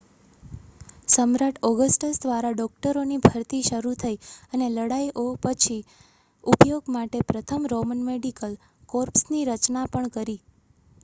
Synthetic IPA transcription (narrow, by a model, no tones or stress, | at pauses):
səmɾaʈʰɔɡəsʈəsd̪ʱʋaɾaɖɔk̚ʈəɾonibʱəɾt̪iʃəɾut̪ʰəiəneləɽaiʔopət͡ʃʰi | upjoɡmaʈepɾət̪ʰəmɾomənmeɖikəl | koɾpsniɾət͡ʃnapəɳkəɾi